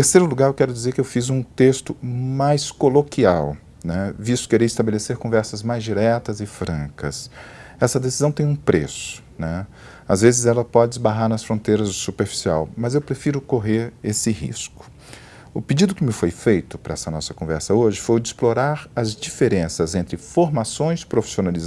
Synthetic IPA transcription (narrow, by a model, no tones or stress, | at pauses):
t̪eɾsejɾʊluɡaɾewkɛɾʊd͡ʒizeɾkɪewfizũt̪est̪ʊmajskolokiaw | nɛvist̪ʊ̥keɾejɪst̪abeleseɾkõvɛɾsɐzmajzd͡ʒiɾɛt̪ɐzɪfɾɐ̃kɐsɛsɐd̪esizɐ̃w̃t̪ẽj̃ũpɾesʊ̥nɛ | azvezɪzɛlɐpɔd͡ʒɪzbaɦaɾnɐsfɾõt̪ejɾɐzsupeɾfi̥sia̰wmɐzewpɾefiɾʊkoɦeɾesɪhḭskʊ̥ | ʊpɪd͡ʒid̪ʊkɪmɪfojfejt̪ʊpɾɐɛsɐnɔsɐkõvɛɾsɐoʒɪfojd͡ʒɪːsploɾaɾɐzd͡ʒifeɾẽsɐzẽnt̪ɾɪfoɾmasõj̃spɾofi̥sionaliz